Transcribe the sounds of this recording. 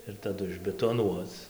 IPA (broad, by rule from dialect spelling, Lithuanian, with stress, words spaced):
ɪr tɐˈdʊ ɪʒʲbʲɛtoːˈnuɔt͡s